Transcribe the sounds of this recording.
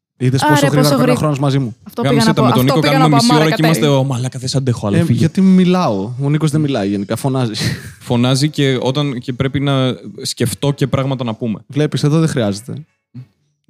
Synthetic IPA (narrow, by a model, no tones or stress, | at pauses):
iðesposoxɾiɣɐɾkɐoxɾo̞nozmɐzimuft̪kɐmisset̪ɐet̪o̞nikokɐnumemisio̞ɾɐeiimɐst̪eomɐlɐkɐθesɐnd̪exoɐlʝɐt̪imilɐooniko̞zðemilɐiʝe̞nikɐfo̞nɐzifo̞nɐzice̞o̞t̪ɐncepɾe̞pinɐsce̞ft̪o̞ce̞pɾɐɣmɐt̪ɐnɐpume̞vle̞piseðoðexɾiɐze̞t̪e̞̰